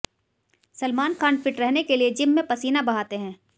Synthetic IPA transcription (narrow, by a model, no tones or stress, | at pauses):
sɐlmaːnkaːnɖfɪʈɾɛɦnekelied͡ʒɪmːẽpɐsiːnabɐɦaːt̪eɦɛ̃ː